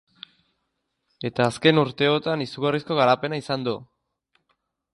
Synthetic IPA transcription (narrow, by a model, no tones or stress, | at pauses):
e̞t̪aːske̞nuɾt̪e̞o̞t̪anisuɣarisko̞ɣ̞aɾape̞naisand̪u